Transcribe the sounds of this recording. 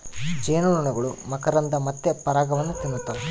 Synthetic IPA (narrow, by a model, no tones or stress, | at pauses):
d͡ʒeːnuɭuɳɐɡɐɭumɐkɐɾɐnd̪ɐmɐt̪ːepɐɾaːɡɐʋɐnːut̪inːut̪ːɐʋe